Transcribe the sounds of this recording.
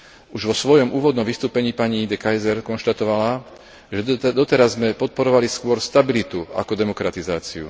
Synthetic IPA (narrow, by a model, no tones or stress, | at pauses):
uʒʋɔsʋɔjɔmuːʋɔd̪nɔmʋist̪uːpɛɲiːpaɲiːd̪ɛkajzɛɾkɔnʃt̪at̪ɔʋala | ʒɛd̪ɔt̪ɛɾazːmɛpɔt̪̚pɔɾɔʋaliskʊɔɾst̪abilit̪ua̰kɔd̪ɛmɔkɾat̪izaːt͡siṵ